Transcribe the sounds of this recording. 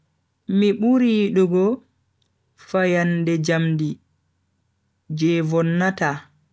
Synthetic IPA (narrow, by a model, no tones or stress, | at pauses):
miɓuɾiːɗuɡɔ | fajandɛd͡ʒamdi | d͡ʒɛvɔnːata